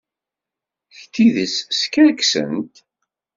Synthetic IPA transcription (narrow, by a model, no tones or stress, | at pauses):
çt̪ːiðəsskæɾksə̰nt̪